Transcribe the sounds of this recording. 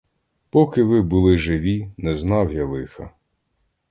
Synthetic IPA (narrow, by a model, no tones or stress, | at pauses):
pɔkɪʋɪbʊlˠɪʒɪʋʲinɛznɑwjalˠɪxɐ̰